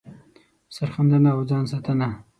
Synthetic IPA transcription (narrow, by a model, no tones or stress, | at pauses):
saɾxand̪anaːwd͡ʒɑːns̬ɑt̪ana